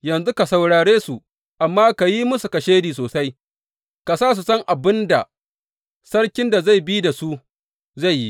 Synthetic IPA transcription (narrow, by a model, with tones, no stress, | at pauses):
jɐ˨nzu˦ka˨sa˨wɽaː˨ɽeː˦su˨ | ʔa˨mːaː˦ka˨ji˦mʊ˦su˨kɐ˨ʃeː˦diː˨s̬oː˨sa˦j | ka˨saː˦s̬u˨sɐ˦ŋʔa˨bɪ˦nda˨ | sɐ˦ɽkʲɪ˦nda˨za˦˨jbi˦da˨su˦ | za˦˨jːḭ˦